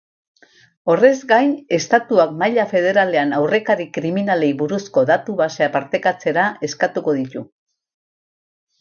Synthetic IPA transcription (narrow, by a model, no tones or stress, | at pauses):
o̞re̞zɡajne̞st̪at̪uakmajʎafe̞ð̞e̞ɾale̞anawre̞kaɾikɾiminale̞jβuɾusko̞ðat̪uβaseapaɾt̪e̞kat͡se̞ɾae̞skat̪uko̞ðit̪u